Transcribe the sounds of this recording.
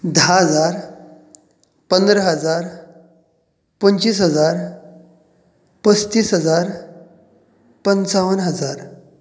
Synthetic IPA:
d̪ʱaɦəd͡zaɾ | pənd̪ɾəɦəd͡zaɾ | pənt͡ɕiːsɦəd͡zaɾ | pəst̪iːsɦəd͡zaɾ | pənsaʋənɦəd͡zaɾ

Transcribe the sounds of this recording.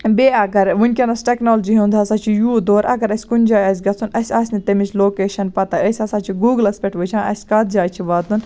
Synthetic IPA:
beːɐɡɐɾʋunʲkʲɐnɐsʈeknoːld͡ʒiɦũnd̪ɐsɐt͡ʃʰijuːd̪oːɾɐ̰ɡɐɾɐsʲkunʲd͡ʒaːjɐsʲɡɐt͡sʰunɐsʲaːsʲnit̪ɐmit͡ʃʰloːkeːʃɐnpɐt̪ɐəsʲɐsɐt͡ʃʰiɡuːɡlɐspʲeʈʋɨt͡ʃʰãːʔɐ̰sʲkɐt̪̚ʰd͡ʒaːt͡ʃʰiʋɐːt̪un

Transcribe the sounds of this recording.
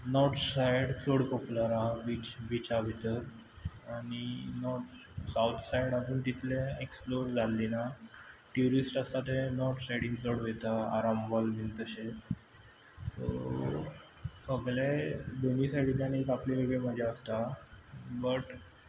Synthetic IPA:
nɔɾt̪sajɽt͡soɽpɔpulaɾaʋit͡ɕbit͡ɕaʋʱit̪əɾ | aɽ̃inɔɾ | sawt̪ʰsajɽad͡zuːnt̪it̪lẽeksploɾd͡zalːinaʈjuɾisʈast̪at̪enɔɾʈ̪sajɽimt͡soɽʋet̪aa̰ɾambɔlʋint̪əɕe | so̰ | səɡled̪onisaɽit̪anekapleʋəɡeməd͡ʑʱaəst̪a | bəʈ

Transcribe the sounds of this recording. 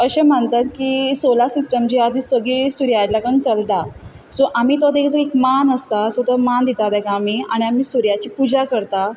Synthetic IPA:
əɕẽm̤əɳt̪at̪kiːsolasisʈəmt͡ɕiːad̪ʱisəɡisuɾjalakəɳt͡səlt̪a | soʔamiːt̪ad̪ekʰt͡səekmanəst̪asot̪amand̪it̪ad̪ɛkaːmiːaɽ̃iamiːsuɾjat͡ɕiːpud͡ʑakəɾt̪a

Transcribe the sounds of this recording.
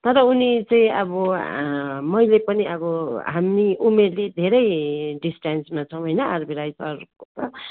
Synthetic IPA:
t̪ʌɾʌunit͡sʌĩʌ̰bʌ | mʌjlepʌniʌbʌɦamniʔumerled̪ʱeɾʌjɖisʈansmat͡sʰʌw̃ɦʌjnʌarbʱiɾajsʌrkot̪ʌ

